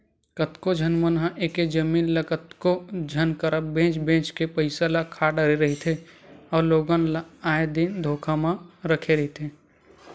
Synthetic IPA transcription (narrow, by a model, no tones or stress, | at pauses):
kət̪kod͡ʒʱənmənɦãʔeːked͡ʒəmiːnlɐkət̪kod͡ʒʱənkəɾəbẽːt͡ʃbẽːt͡ʃkepəɪsalakʰaːɖəɾeɾɐɦet̪ʰeɔːɾloːɡənlaaːed̪ind̪ʱoːkʰamãɾəkʰeɾɐɦet̪ʰeː